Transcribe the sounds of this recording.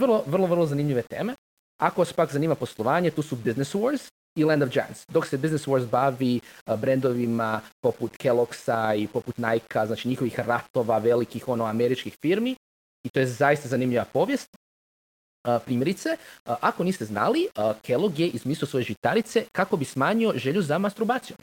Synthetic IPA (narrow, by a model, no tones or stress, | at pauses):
ʋr̩lˠo̞ʋrlˠo̞ʋər̩lˠozanimʎiʋet̪e̞̰ːme̞ | akoʋaspakzaniːmapo̞slˠoʋaːɲe̞t̪uːsubizneswoɾz | ilɛnd̪od͡ʒa̰ja̰nsd̪oksebizneswo̞ɾzbaʋibɾend̪o̞ʋimapo̞put̪kelˠoksaipo̞put̪najkaznaːt͡ʃiɲixo̞ʋixɾat̪o̞ʋaʋe̞likixo̞noame̞ɾit͡ʃkixfiɾmi | it̪o̞jezajist̪azanimʎiʋapo̞ːʋje̞st̪̚ | əpɾiːmje̞ɾit̪seʔako̞niːst̪e̞zna̰liəkʰe̞lˠoɡje̞ʔizmiːslioso̞jeʒit̪aɾit̪se̞kako̞bismaːɲio̞ʒeʎuzamast̪ɾubaːt̪sijom